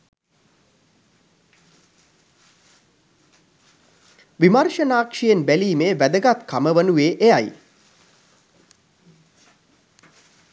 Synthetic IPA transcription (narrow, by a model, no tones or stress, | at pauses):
ʋimarʂənaːkʂijenbæliːmeːʋæd̪əɡat̪kaməʋənuʋeːʔejaj